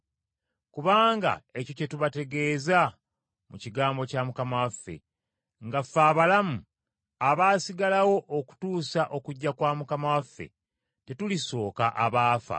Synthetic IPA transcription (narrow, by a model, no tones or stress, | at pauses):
kuβaːŋɡa̰e̞co̞ce̞tuβate̞ɡe̞ːza | muciɡaːmbo̞camukamawafːe̞̰ | ŋɡafːaːβalamu | aβaːsiɡalawo̞ʔoku̥tuːsaʔo̞kuɟːakwaːmukamawafːe̞̰ | te̞tuliso̞ːka̰ʔaβaːfa̰